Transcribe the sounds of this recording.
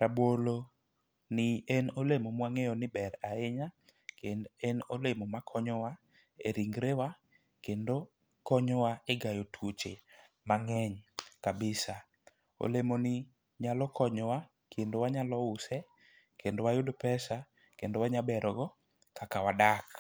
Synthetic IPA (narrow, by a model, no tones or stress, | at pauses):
ɾabwolo | nɪɛnolemomwaŋejɔnɪbɛɾaeɲa | kenɛnolemomakʰɔɲɔwa | ḛɾiŋɡɾewa | kendo | kɔɲɔwaeɡajotʰwot͡ʃe | maŋɛɲkabɪsa | o̰lemonɪ | ɲalɔkʰɔɲɔwa | kʰendowaɲalɔʊsɛ | kʰendowajodopɛsa | kendowaɲabɛɾɔɡɔ | kʰakawadak